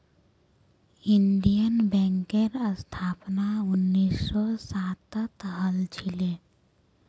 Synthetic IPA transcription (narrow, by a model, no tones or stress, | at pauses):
ɪnɖijənbɛ̃ːŋkeɾəst̪ʰaːpnaʊnːiːsːɔsaːt̪ət̪ɦəlt͡ʃʰile